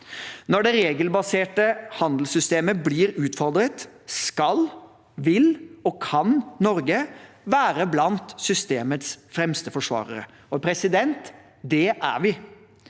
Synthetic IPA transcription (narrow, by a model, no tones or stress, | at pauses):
nɔɖɛɾeːɡəlbɑseːʈəhɑnd̪l̩sʏst̪eːməblɪːɾʉːt̪fɔɾd̪ɾət̪ | skɑl | ʋɪlɔkʰɑnnɔɾɡə | ʋæːɾəblɑnt̪sʏst̪eːmət̪sfɾɛmst̪əfɔʂʋɑ̰ːɾəɾə̰ | ɔpʰɾɛsɪd̪ɛnt̪ | d̪ɛʔæ̰ɾʋɪ